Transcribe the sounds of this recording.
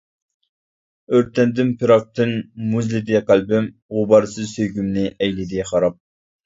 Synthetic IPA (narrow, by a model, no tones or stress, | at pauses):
øɾt̪ʰɛnd̪ɪnpʰɨɾɑk̚t̪ʰɨnmuzlɪd̪iɛqælbɪm | ʁʊbɑɾɨsɨzsøjɡʲymnɪʔɛjlɪd̪iχɑɾɑp̚